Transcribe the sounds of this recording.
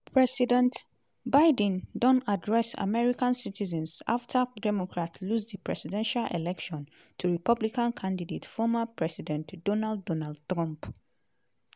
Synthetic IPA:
pʰɹɛsidɛ̃nt | baɪd̃ndɔ̃nadɹɛsa̰mɛɹikãnsitʰizɛ̃nsa̰ftʰadɛmɔkʰɹatʰlusðipʰɹɛ̰sidɛ̃nʃalʔɛ̰lɛkʃɔ̃n | tʰuɹipʌblikãnkʰãndidetfɔmapʰɹɛsidɛ̃ntd̥ɔnaldːɔnald̚tɹãmp

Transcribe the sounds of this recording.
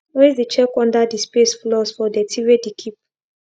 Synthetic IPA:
wezdit͡ʃɛkɔ̃ndadispesflɔsfɔdɛtʰiɹedikʰip̚

